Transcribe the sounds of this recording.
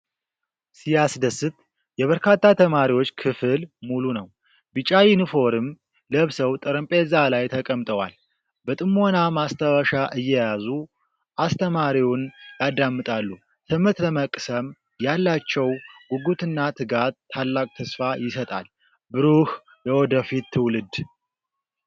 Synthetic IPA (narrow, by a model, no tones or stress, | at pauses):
sijasd̪əsːɨt̪ | jɛβəɾkʰat̪ːat̪ʰəmaɾiwo̞t͡ʃːkʰɨfɨlmulunəw | bɨt͡ʃʼawinɨfo̞ɾɨm | ləβsəwt̪ʼəɾəmpʼezalajt̪ʰəkʼəmt̪ʼəwa̰l | bət̪ʼɨmːo̞namast̪ʰəwəʃaʔɨjːɛjazu | ʔast̪ʰəmaɾiwunjad̪ːamːɨt̪ʼalːu | t̪ʰɨmɨt̪ləməkʼsəm | jalːat͡ʃːɛwɡuɡut̪ʰɨnːat̪ʰɨɡat̪ʰːalːakʼt̪ʰəsfajɪsət̪ʼa̰l | bɨɾuh | jɛwɔd̪əfit̪ʰːɨwlɨd̪